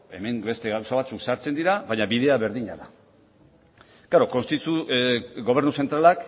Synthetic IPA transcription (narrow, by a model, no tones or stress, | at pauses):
e̞me̞mbe̞st̪e̞ɣawsaβat͡suksaɾt͡se̞nd̪iɾaβajɲaβiðe̞aβe̞ɾðiɲaða | ɡ̥aɾo̞ko̞nst̪it̪uɡo̞β̞e̞ɾnuse̞nt̪ɾalak